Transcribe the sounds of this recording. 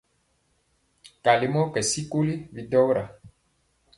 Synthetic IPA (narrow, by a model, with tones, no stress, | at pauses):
ka˨le˨mɔ̃˦kɛ˨si˦ko˦le˦vi˨dɔ˦wɾa˨